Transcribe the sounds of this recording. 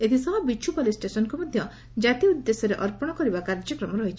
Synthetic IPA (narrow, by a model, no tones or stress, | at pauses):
et̪ʰisɔbɔbit͡ʃʰupolisʈesɔnkumɔd̪ʱjɔ | d͡ʒat̪iud̪ːesɔɾeʔɔɾpɔɽ̃ɔkɔɾibakaɾd͡ʒɔkɾɔmɔɾɔɦit͡ʃʰi̥